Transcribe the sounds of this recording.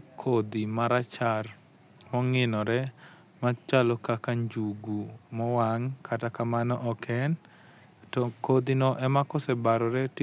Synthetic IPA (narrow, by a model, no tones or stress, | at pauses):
kʰod̪imaɾat͡ʃar | mɔŋɪnɔɾɛ | mat͡ʃalɔkakaɲd͡ʒuɡu | mɔwaŋkʰatakamanɔʔɔkʰɛn | tɔkod̪inɔʔɛmakɔsɛbaɾɔɾɛt